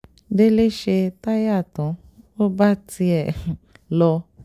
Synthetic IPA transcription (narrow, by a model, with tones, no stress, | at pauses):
de˦le˦ʃe˧ta˦ja˦˨tɔ̃˨˦ | o˦ba˦ti˧ɛ˨lɔ˧